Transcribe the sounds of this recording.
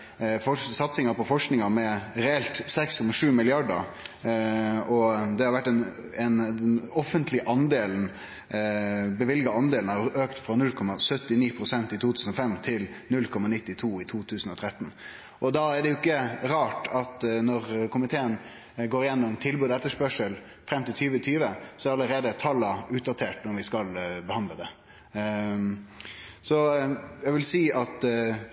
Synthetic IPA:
fɔsɑt̪sɪŋɑpɔfɔʂknɪŋɑmɛɾɛɛlt̪sɛkskʰɔmɑʂʉːmɪlɪɑɖə̰ɾ | ɔd̪ɛhɑɾʋæʈːɛn | ɛnɔfənt̪ʰlɪʔɑnd̪eːln̩ | bəʋɪlɡɑɑnd̪eːlnhɑɾøːkt̪fɾɑnʉlkʰɔmɑsœt̪ːɪniːpʰɾʊsɛnt̪ɪt̪ʰuːt̪ʰʉːsən̩ɔfɛmːt̪ʰɪlnʉlkʰɔmɑnɪt̪ːɪt̪ʰuːɪt̪ʰuːt̪ʰʉːsən̩ɔt̪ʰɾɛt̪ːn | ʔɔd̪ɑæɖɛjʊɪkːəɾɑːʈɑt̪nɔɾkʰʊmɪt̪ʰeːən | ɡoːɾɪjɛnːʊmt̪ʰɪlbʉːd̪ɛt̪ːəʂpœʂəl | fɾɛmt̪ɪlt̪ʰyːʋət̪ʰyːʋəsɔɛæɾɑləɾeːd̪ət̪ʰɑlːɑʉːt̪̚d̪ɑt̪ʰeːʈnɔɾʋɪskɑlbəhɑnd̪ləd̪ɛ | sɔjæɡʋɪlsiːʔɑt̪

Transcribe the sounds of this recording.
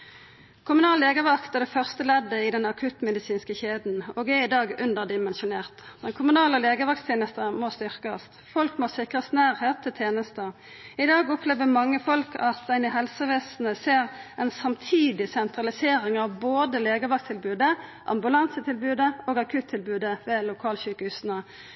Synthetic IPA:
kʰʊmʉnɑːleːɡəʋɑkt̪ɛd̪ɛfœʁst̪əlɛd̪ːəɪd̪ɛnɑkʰʉt̪mɛd̪ɪsiːnskəçeːd̪n̩oːɡɛɪd̪ɑːɡʉnd̪əʁd̪ɪmɛnʃʊneːʁt̪d̪̥ɛnkʰʊmʉnɑːləleːɡəʋɑkt̪t̪ʰjeːnəst̪əmost̪ʏʁkɑst̪fɔlkmoːsɪkʁəst̪næːʁheːt̪ʰːɪlt̪ʰjeːnəst̪ə | ɪd̪ɑːɡɔpʰleːʋəmɑŋːəfɔlkʰɑt̪d̪ænɪɦɛlsəʋeːsn̩əseːʁɛnsɑmt̪ʰiːd̪ɪsɛnt̪ʁɑlɪseːɾɪŋɑʋboːd̪əleːɡəʋɑkst̪ʰɪlbʉːd̪əʔɑ̰mbʉlɑnsət̪ʰɪlbʉːd̪əoːɡɑkʰʉt̪ʰːɪlbʉːd̪əʋɛlʊkʰɑːlçʉːkəʉsnə

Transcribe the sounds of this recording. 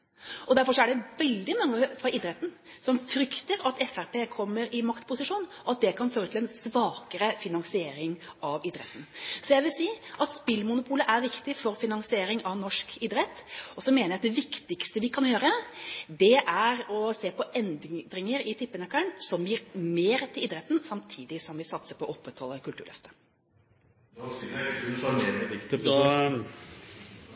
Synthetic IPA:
ɔd̪æɾfɔʂɔæɖɛʋɛld̪ɪmɑŋːəfɑʔɪd̪ɾɛt̪n̩ | sɔmfɾʏkt̪əɾɑt̪ɛfæɾpeːkʰɔmːəɾɪmɑkt̪pʰʊsɪʂuːnɔɑt̪̚d̪ɛkʰɑnføːɾət̪ʰɪlɛnsʋɑːkəɾəfɪnɑŋsɪeːɾɪŋɑʋɪd̪ɾɛ̰t̪ːən̩sɔjæɪʋɪlsiːʔɑt̪spɪlmʊnʊpʰuːləʔæɾʋɪkt̪ɪfɔɾfɪnɑŋsɪeːɾɪŋɑʋnɔʂkɪd̪ɾɛt̪ːɔsɔmeːnəɾjæɑkd̪ɛʋɪkt̪ɪkst̪əʋɪkʰɑnjøːɾəd̪ɛʔæɾɔseːpɔʔɛnd̪d̪ɾɪŋəɾɪt̪ʰɪpːənəkæɳsɔmjiːɾmeːɾt̪ʰɪliːd̪ɾɛt̪ːn̩sɑmt̪ʰiːd̪ɪsɔmʋɪsɑt̪səpʰɔʔɔpːɾɛt̪hɔlːəkʉlt̪ʉːɭœ̰ft̪ə̥

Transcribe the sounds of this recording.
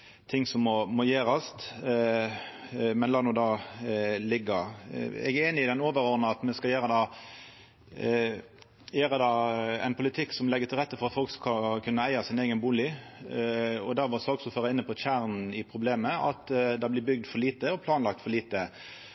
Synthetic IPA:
t̪ʰɪŋːsɔmːɔmɔjeːɾɑst̪ | mɛnlɑːnuːd̪ɑː | lɪɡːəɾɛ̰ɡæeːnɪɪd̪ɛnoːʋəɾɔʁnɑɑt̪mɛskɑjæːɾəd̪ɑː | jeːɾəd̪ɑːɛ̰ɪnpʰʊlɪt̪ʰɪkːsɔmlɛɡːət̪ʰɪlʁɛt̪ːəfɔʁɑt̪fɔlkskɑkʰʉnːəæɪɑsɪneːɡənbuːlɪ | ɔd̪æɾʋɑsɑːksɔføːɾəɪnːəpʰɔçæːʁnn̩ɪpʰʁʊbleːməʔɑt̪d̪ɑblɪbʏɡ̚d̪fɔʁliːt̪əɔpʰlɑːnlɑk̚t̪fɔɾʁliːt̪ə

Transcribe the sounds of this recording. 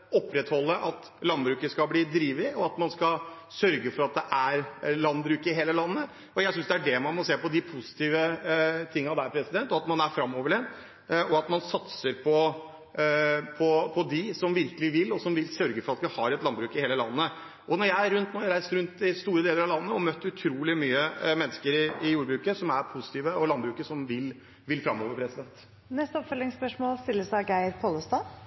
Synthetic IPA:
ɔpːɾɛt̪hɔlːəʔɑt̪ | lɑnbɾʉːkəskɑbliːd̪ɾiːʋɪɔɑt̪mɑnskɑsœɾɡəfɔɾɑt̪̚d̪ɛʔæɾlɑnbɾʉːkəɪɦeːləlɑnːə | ɔjæɪsʏnsd̪ɛæɖɛmɑnmɔseːpɔd̪ɪpʰʊsɪ̥t̪ʰiːʋət̪ʰɪŋːɑd̪æɾpʰɾɛsɪd̪ɛnt̪ɔɑt̪mɑnæɾfɾɑmoːʋəɖɛn | ɔɑt̪mɑnsɑt̪səɾpʰɔ | pʰɔpʰɔd̪ɪsɔmʋɪɾkəlɪʋɪlːɔsɔmʋɪlsœɾɡəfɔɾɑt̪ʋɪhɑɾɛt̪lɑnbɾʉːkɪheːləlɑ̰nːə | ʔɔnɔɾjæɪæɾːʉnt̪noːjæɾæɪst̪ɾʉnt̪d̪ɪst̪uːɾəd̪eːləɾɑʋlɑnːəɔmœt̪ːʉt̪ʰɾuːlɪmyːəmɛnːəskəɾɪɪjuːɾbɾʉːkəsɔmæɾpʰʊsɪ̥t̪ʰiːʋəɔlɑnbɾʉːkəʂɔmʋɪl | ʋɪlfɾɑmːoːʋəɾpʰɾɛsɪd̪ɛnt̪ | nɛst̪əɔpfœlɪŋspœʂmoːlst̪ɪlːəsæɡæɪɾpʰoːləst̪ɑː

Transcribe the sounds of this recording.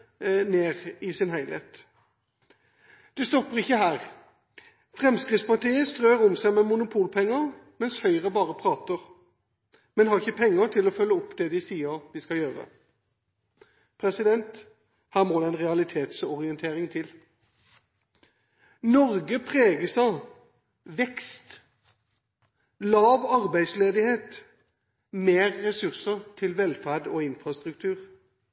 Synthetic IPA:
neːʁɪsɪnhæɪlheːt̪ | d̪̥ɛst̪ɔpːəʁɪçːəɦæːʁ | fʁɛmskʁɪt̪spɑʁʈ̪ʰiːəst̪ʁøːʁʊmsæɪmɛmʊnʊpʰuːlpʰɛŋːəʁmɛnshœʏʁəbɑːʁəpʰʁɑːt̪əʁ | mɛnhɑʁɪçəpʰɛŋːət̪ʰɪlɔfœlːəɔpːd̪ɛd̪ɪsiːəɾd̪ɪskɑljøːʁə̰ | pʰʁɛsɪd̪ɛnt̪ | hæːʁmoːd̪ɛæɪnʁɛɑlɪt̪ʰeːt̪sɔʁɪɛnt̪ʰeːʁɪŋt̪ʰɪl | nɔʁɡəpʰʁeːɡəsɑ | ʋɛkst̪ | lɑːʋɑʁbæɪd̪sleːd̪ɪheːt̪ | meːʁːɛsʉʁsəʁt̪ʰɪlʋɛlfæʁd̪ɔɪnfɾɑst̪ʁʉk̚t̪ʰʉːʁ

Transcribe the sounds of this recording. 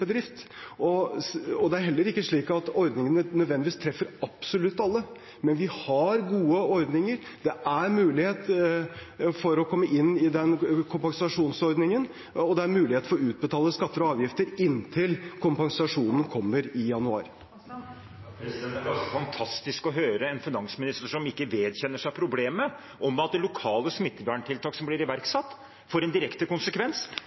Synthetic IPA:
bəd̪ɾɪft̪ɔɔd̪ɛæɾhɛlːəɾɪkːəʂɭiːkɑt̪ɔɾd̪nɪŋənənœd̪ʋɛnd̪ɪʋiːst̪ʰɾɛfːəɾɑb̥sɔlʉt̪ːɑlːə | mɛnʋɪhɑɾɡuːəɔɾd̪nɪŋəɾd̪̥ɛʔæɾmʉːlɪheːt̪ | fɔɾɔkʰɔmːəʔɪnːɪd̪ɛnkʰʊmpɑŋsɑʂuːnsɔɾd̪nɪŋən | ɔd̪ɛæɾmʉːlɪheːt̪fɔɾɔʉːt̪̚bət̪ʰɑːləskɑt̪ːəɾɔɑːʋjɪft̪əɾɪnːt̪ʰɪlkʰʊmpɑŋsɑʂuːnən̩kʰɔmːəɾɪjɑnʉɑ̰ːɾ | səfɑnt̪ʰɑst̪ɪskɔɦøːɾəɛnfɪnɑŋsmɪnɪst̪əʂɔmɪkːəʋeːd̪çɛnːəʂæɪpʰɾʊbleːmə | ʔɔmɑt̪̚d̪ɛlʊkʰɑːləsmɪt̪ːəbæːɳʈʰɪlt̪ʰɑːksɔmblɪɾɪʋæɾksɑt̪ː | foɾɛnd̪ɪɾɛkt̪əkʊnsəkʰʋɛns

